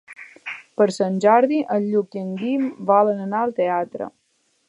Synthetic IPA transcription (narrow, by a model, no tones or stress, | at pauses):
pəɾsənʲʒaɾðiʔəlʎuk̪̚iəŋɡimbalənənaəlˠt̪eat̪ɾə̰